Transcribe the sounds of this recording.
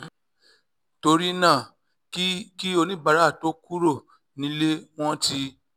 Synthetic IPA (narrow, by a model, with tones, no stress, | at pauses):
to˧ɾi˦nãː˦˨˦ | ki˦o˧nĩ˦ba˨˧ɾa˦˨to˨˦ku˦ɾo˦˨ | nĩ˦le˦w̃ɔ̃˦ti˧˦